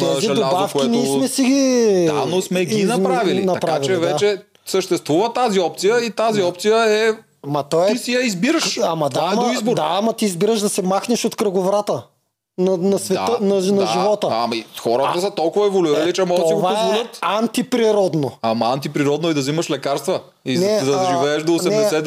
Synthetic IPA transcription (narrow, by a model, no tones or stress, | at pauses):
t̪ɛzid̪obafkʲiɛniɛmɛsiɡianosmɛɡinɐnɾaviinɐɐpɾavit͡ʃlɛivɛat͡ʃɛ | səʃt̪ɛst̪vuvət̪aziɔpt̪sijəit̪aziɔp̚t̪sijəɛ | amɐt̪ɔɛisijɐizbiɾəʃɐmɐaamizbod̪aːmɐt̪iːzbiɾəʃd̪ɐsɛmaxnɛʃot̪kɾɐɡovɾat̪ə | nɐnɐsvɛtaənɐnɐʒivɔt̪əamɐixɔɾət̪əsət̪ɔlˠkʊvɐɛvoluiɾəlit͡ʃɛmɔɡ̪ivazolət̪ant̪ipɾiɾɔd̪noɐmɐant̪ipɾiɾɔd̪noid̪ɐzimɐʃlɛkaɾst̪və | inɛd̪ɐʒivɛːʃd̪oːnɛɛd̪ɛsɛ